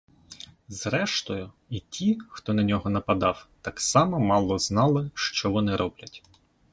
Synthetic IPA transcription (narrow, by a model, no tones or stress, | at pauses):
zɾɛʃt̪ɔjʊ | itʲixt̪ɔnɐnʲɔɦɔnɐpɐd̪ɑwt̪ɑksɑmɐmɑlˠɔznɑlˠɪʃt͡ʃɔʋɔnɪɾʔɔblʲɐtʲ